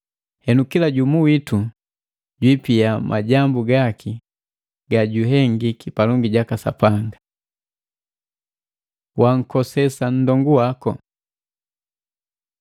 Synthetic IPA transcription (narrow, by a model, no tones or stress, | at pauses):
hɛnukilaɟumuwitu | ɟwipiamʔa̰ɟambuɡakʰi | ɡaɟuɦɛŋɡikipalɔŋɡiɟakasa̰paŋɡa | wʔaŋ̩kɔsɛsan̩dɔŋɡuwakɔ̰